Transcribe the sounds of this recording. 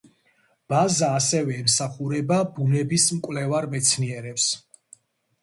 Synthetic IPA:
b̥azaːsɛvɛːmsaχuɾɛbabunɛbismkʼwlɛvaɾmɛt̪sʰniɛɾɛps

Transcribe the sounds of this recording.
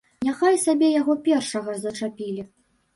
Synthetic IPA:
nʲaxajsabʲɛjaɣɔpʲɛrʂɐɣɐzɐt͡ʂapʲilʲi

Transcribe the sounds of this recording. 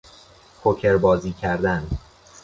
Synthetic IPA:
kʰocʰeɾbɒːziːcʰæɾd̪æn

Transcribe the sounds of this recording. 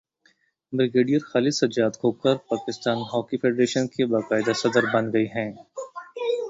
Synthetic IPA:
bɾɪɡeːɖijəɾxaːlɪd̪sɐd͡ʒaːd̪koːkɐɾpaːkɪst̪aːnɦɔːkifeːɖɾeːʃənkebaqaːɪd̪asɐd̪əɾbɐnɡɐiɦɛ̃ː

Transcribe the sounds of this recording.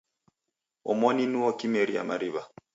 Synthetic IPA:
ɔmɔninuɔkimɛɾia̰maɾiβa

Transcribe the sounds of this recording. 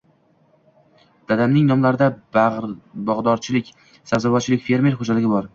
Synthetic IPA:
d̪̥ad̪amnɪŋnɒmlaɾɪd̪a | bɒʁd̪ɒɾt͡ʃʰɪlɪkʲ | sazavɒt̪t͡ʃːɪlɪkʲfe̞ɾme̞ɾχod͡ʒalɪɡʲɪbɒɾ

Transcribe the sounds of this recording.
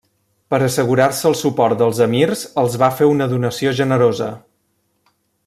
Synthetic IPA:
pəɾəsəɣ̞uɾarsəːlˠsupɔɾt̪̚d̪əlˠzəmirzəlˠzβafeunəðunəsioʒənəɾozə̰

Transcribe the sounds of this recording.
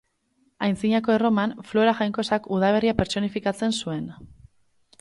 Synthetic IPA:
ajnsiɲako̞e̞ro̞manflo̞ɾaxajŋko̞sakuð̞aβ̞e̞riape̞ɾt͡so̞nifikat͡se̞nsue̞n

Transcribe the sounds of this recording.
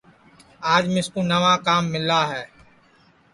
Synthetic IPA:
aːd͡ʒmɪ̃skoːnəʋaːkaːmːɪlaːɦɛː

